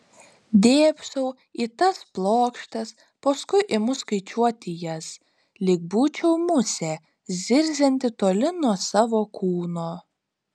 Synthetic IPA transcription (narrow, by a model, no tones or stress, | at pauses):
d̪ʲeːpʲsɐʊ | it̪ɐsplˠoːkʃt̪ɐs | pɐskʊɪʔɪmʊskɐɪt͡ʃʲuɔt̪ʲɪjɛs | lʲɪk̚buːt͡ʃʲɛʊmʊsʲɛ | zʲɪɾʲzʲɛnʲt̪ʲɪt̪oːlʲɪnuɔsɑːʋoːkʰuːnoː